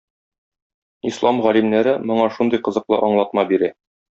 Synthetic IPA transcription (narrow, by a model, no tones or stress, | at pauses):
islˠɑmʁælimnæɾɘmŏɴɑʃund̪ɤjqɤ̆zɤ̆qlˠɤʔɒɴlˠɑt̪̚mɑbiɾæ